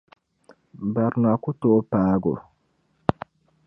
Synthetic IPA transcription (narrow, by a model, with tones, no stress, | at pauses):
ba˨ɾnwa˨ku˦to˦paː˦ɡo̰˨